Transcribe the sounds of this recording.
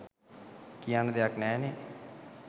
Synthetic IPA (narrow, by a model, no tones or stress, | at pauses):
kiand̪eaknɛːneː